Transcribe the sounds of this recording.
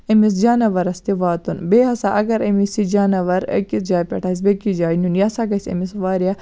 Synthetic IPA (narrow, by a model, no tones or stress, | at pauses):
ɐmis̬d͡ʒaːnɐʋɐɾɐst̪iʋaːt̪unbeːɦɐsaʔɐɡɐɾɐmisid͡ʒaːnɐʋɐɾkisd͡ʒaːjpʲɐ̰ʈʰɐs̬bekid͡ʒaːjnunjasaɡɐsʲɐ̰misʋaːɾija